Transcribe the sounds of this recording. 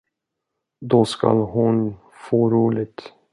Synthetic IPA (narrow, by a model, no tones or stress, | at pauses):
d̪ɔska̰lhʊn | foːɾuːlɪt̪